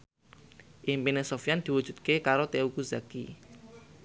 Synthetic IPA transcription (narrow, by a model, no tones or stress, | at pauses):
ʔimpinesofjand̪̥i̤wud̥ʒ̥ṳt̪̚kekaɾot̪eukuzaki